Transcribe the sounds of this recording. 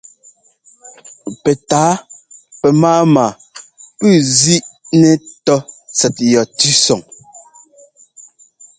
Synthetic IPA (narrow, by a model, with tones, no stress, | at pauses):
pɛ˨taː˨˦pɛ˨maː˦maː˨ | pʉ˦˨zi˦ʔnɛ˨tɔ˦t͡sɛ˨t̚jɔ˨tʉ˦sɔ˨ŋ